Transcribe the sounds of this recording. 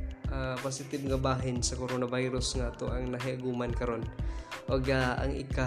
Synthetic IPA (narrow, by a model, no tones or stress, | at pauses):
ʔaposɪt̪ɪbŋɐbaːɦɪnsɐkoɾonɐbajɾʊsŋaːt̪oʔɐŋnɐɦɪʔɐɡuːmɐnkɐɾo̞nʔoɡaʔɐ̰ŋʔɪ̰ka